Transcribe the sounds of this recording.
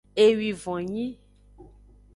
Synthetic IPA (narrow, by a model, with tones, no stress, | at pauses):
e˨wi˨vɔ̃˨ɲĩ˦